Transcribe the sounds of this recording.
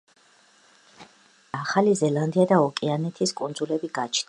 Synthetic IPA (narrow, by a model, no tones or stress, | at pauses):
aχalizɛlˠand̪iad̪aɔkʼianɛt̪ʰiskʼund̪zulɛbiɡat͡ʃʰnd̪a